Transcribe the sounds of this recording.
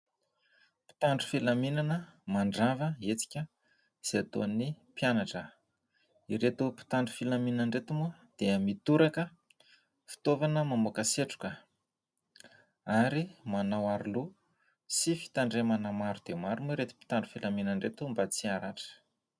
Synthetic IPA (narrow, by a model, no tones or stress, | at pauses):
pi̥t̪aɳɖ͡ʐu̥filaminanəmaɳɖ͡ʐavəet͡si̥kʲə | z̥et̪o̰ni | pjanaʈ͡ʂə | iɾet̪upi̥t̪aɳɖ͡ʐufilaminnəɳɖ͡ʐet̪umuəd̪̥eəmit̪uɾakə | fi̥t̪ovanəmamokaseʈ͡ʂu̥kə | aɾimanawaɾulu | sifi̥t̪aɳɖ͡ʐemanəmaɾud̪̥emaɾumuɾet̪i̥pi̥t̪aɳɖ͡ʐu̥filaminaɳɖ͡ʐet̪umbat͡siaɾaʈ͡ʂə̥